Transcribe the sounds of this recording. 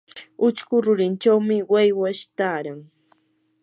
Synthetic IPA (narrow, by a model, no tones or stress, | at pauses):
ʊt͡ʃkʊɾʊɾɪnt͡ʃawmɪwajwaʃt̪aːɾaŋ